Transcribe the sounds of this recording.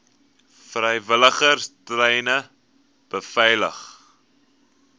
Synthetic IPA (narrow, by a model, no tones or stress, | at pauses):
frəjvələχərstrɛjnə | b̥əfɛjlə̰χ